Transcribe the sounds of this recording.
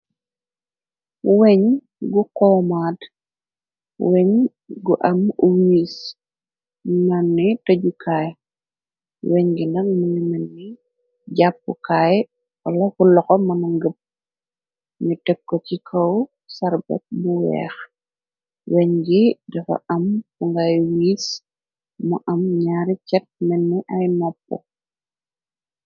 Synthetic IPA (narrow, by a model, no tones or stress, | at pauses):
wɛɲ | ɡukɔːmaːd | wɛɲ | ɡuʔɐmuwis | mɐnːitɐɟukʰaːj | wɛɲɡinɐk̚mɐnimɐnːi | ɟap̚ːukaːj | wɐlɐkulɔxɔmɐnɐŋɡəp̚ | ɲutɛkːɔcikʰɔw | sɐɾbɛ̰t̚buwɛ̰ːx | wɛɲɡidɐfɐ̰ʔɐmkuŋɡajwiːs | mɔʔɐmɲaːɾicɛt̚mɛnːiʔɐjnɔpːɔ̰